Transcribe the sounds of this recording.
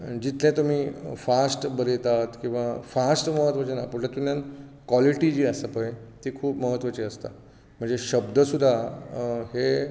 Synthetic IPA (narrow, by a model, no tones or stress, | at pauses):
d͡ʑit̪ʰlẽt̪um̤iːfasʈbəlet̪at̪kĩw̃ʋafasʈməɦət̪ʋət͡ɕenapuɾʈat̪umjankʋaliʈid͡ʑiːəsəpəet̪ikʰuːpməɦət̪ʋət͡ɕiəst̪a̰ | m̤əɳd͡zeɕəbd̪əsud̪ʱa | he